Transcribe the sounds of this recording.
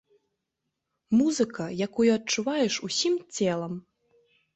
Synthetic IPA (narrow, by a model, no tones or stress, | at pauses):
muzɨkɐjakujuɐtt͡ʂuvajɛʂusʲimt͡sʲɛlˠɐm